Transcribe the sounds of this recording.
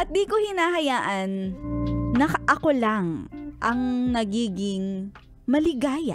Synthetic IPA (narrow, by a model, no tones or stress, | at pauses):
ʔɐt̪̚d̪iːkohɪnaːɦɐjaːʔɐnː | ɐʔɐko̞laŋʔɐŋnɐɡiːɡɪŋ | mɐlɪɡaːjɐ̰